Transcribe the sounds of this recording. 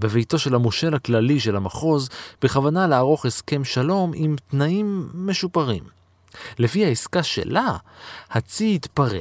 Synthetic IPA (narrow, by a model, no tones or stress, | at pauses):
be̞vejto̞ʃe̞lhamoʃe̞lhaklaliʃe̞lamaχo̞zb̥eχavanalaaʁo̞χe̞ske̞mʃalo̞mimt̪naimːe̞ʃupaʁim | le̞fihaiskaʃe̞̰lahat͡siitpaʁḛ